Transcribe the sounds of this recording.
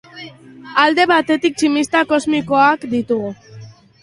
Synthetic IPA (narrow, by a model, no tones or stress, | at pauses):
ald̪e̞βat̪e̞t̪ik̚t͡ʃimist̪ako̞zmiko̞akd̪it̪uɣu